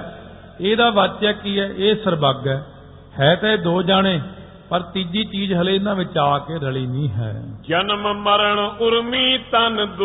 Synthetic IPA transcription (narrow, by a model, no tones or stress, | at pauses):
eːd̪aːʋət͡ʃɛːkiːɛːʔeːsəɾbəɡɛː | hɛːt̪ɛ̃ːeːd̪oːd͡ʒaːɽ̃eː | pəɾt̪id͡ʒiːt͡ʃiːd͡ʒɦəleːɪnãːʋɪt͡ʃaːkeːɾəliːnĩːɦɛ̰ːd͡ʒənəmməɾəɳʊɾmiːt̪ənd̪